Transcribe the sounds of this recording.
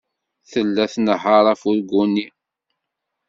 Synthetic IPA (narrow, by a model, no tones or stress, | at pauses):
θəlːæθnəɦːɑɾˤæfuɾɡʷuni